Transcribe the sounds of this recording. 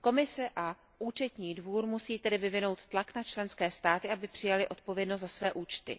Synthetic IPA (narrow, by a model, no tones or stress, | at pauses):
ko̞mɪsɛʔa | ʔuːt͡ʃɛt̪ɲiːdvuːɾmusiːt̪ɛdɪvɪvɪno̞wt̪ːlaknat͡ʃlɛnskɛːst̪aːt̪ɪʔabɪpr̝̥ɪjalɪʔo̞t̪̚po̞vjɛdnost̪zasvɛːʔuːt͡ʃt̪ɪ̰